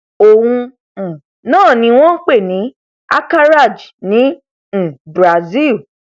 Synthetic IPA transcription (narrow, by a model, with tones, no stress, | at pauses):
o˨wũ˧˨ | nãː˦˨nĩ˧˦w̃ɔ̃˦k͡pe˦˨nĩ˨˦ | a̰˦ka˦ɾa˦˨d͡ʒnĩ˨˦˨ | bɾa˨zi˦˨l